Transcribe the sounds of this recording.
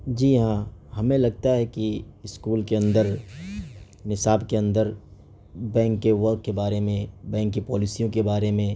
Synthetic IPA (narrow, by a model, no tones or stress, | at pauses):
d͡ʒiːɦãːɦɐmẽlɐɡ̚t̪aɦɛkiɪskuːlkeɐ̃nd̪əɾ | nɪsaːbkeɐ̃nd̪əɾ | bɛ̃ːŋkːeʋɐɾɡ̚kebaːɾemẽbɛ̃ːŋkːipɔːlɪsijõkebaːɾemẽ